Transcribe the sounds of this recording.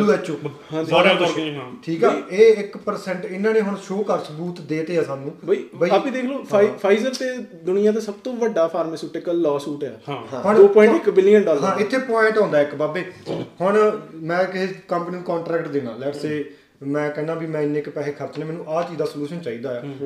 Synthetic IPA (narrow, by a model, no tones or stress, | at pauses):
luːɛːt͡ʃoː | ʈʰiːkɛːeːɪkpəɾsɛ̃ɳʈɪnːãːnẽːɦʊɳʃoːkəɾsəbuːt̪d̪eːt̪eːɛːsaːnũːbibiapĩd̪eːkʰloːpʰːipʰaːɪzəɾt̪eːd̪ʊnɪjãːt̪̬eːsəbt̪õːʋəɖaːpʰaːɾmːsuːʈekəlːɔːsuːʈɛ̃ːɦʊɳd̪oːpɔːɪ̃ɳʈɪkbɪlɪːənɖɔːlɦãːɪt̪ʰːeːpɔːɪ̃ɳʈɦɔ̃ːnd̪aːɪkbaːbeːhʊɳmɛ̃ːkɦekəmpnɪ̃nkɔ̃ːɳʈɾɛːkʈd̪ɪnã̰ːlɛːʈseː | mɛ̃ːkɛ̃ːnaːbʱiːmɛ̃ːɪnːẽːkpɛːɦeːkʰəɾt͡ʃneːmɛːnũːʔaːt͡ʃiːd̪aːsəluːʃənt͡ʃaːiːd̪aːɛː